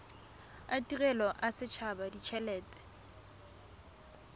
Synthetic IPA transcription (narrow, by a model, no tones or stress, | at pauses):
atʼirɛlɔʔasɪt͡ʃʰabadit͡ʃʰɛlɛːtʼɛ̥